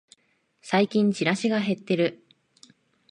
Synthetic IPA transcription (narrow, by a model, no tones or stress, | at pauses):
saikʲĩɲ̟t͡ɕiɾaɕiɡaɦe̞t̪ːe̞ɾɯ̟